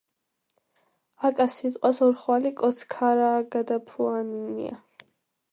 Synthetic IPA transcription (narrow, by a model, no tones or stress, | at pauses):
akʼasit̪ʼqʼwasɔɾχwalikʼɔt̪sʰkʰaɾaːɡad̪apʰuaninḭa̰